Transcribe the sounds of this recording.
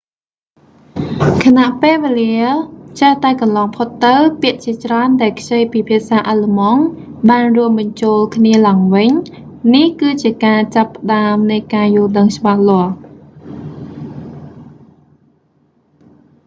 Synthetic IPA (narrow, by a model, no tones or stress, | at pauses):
kʰanaʔpeːʋeːliət͡ɕəht̪aɛkɑnlɑːŋpʰot̪ːɨwpiəʔt͡ɕiət͡ɕraənɗaɛlkʰt͡ɕəjpiːpʰiəʔsaːʔaːləmɑŋɓaːnruəmɓɑɲt͡ɕoːlkʰniəlaəŋʋɨɲ | nihkɨːt͡ɕiəkaːt͡ɕapːə̆ɗaəmnɨjkaːjʊːlɗəŋt͡ɕə̆ɓahlŏəh